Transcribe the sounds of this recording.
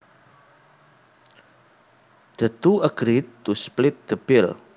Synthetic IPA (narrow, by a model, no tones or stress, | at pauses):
d̪̥ət̪uəɡ̥ɾit̪ːusplɪt̪̚d̪̥əb̥ɪl